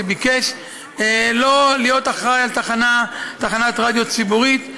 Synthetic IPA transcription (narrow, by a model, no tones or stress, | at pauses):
ebikeʃ | elo̞lijo̞t̪aχʁajalt̪aχanat̪aχanat̪ʁad̪jo̞t͡sibuʁit̪